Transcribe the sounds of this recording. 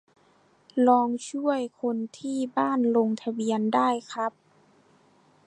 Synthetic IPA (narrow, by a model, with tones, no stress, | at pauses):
lɔː˧˥ŋt͡ɕʰu˥˩əjkʰo˧nt̪ʰiː˧˥˩baː˥˩˨nlo˧ŋt̪ʰa˧bi˧əndaː˥˩jkʰɾa˦˥p̚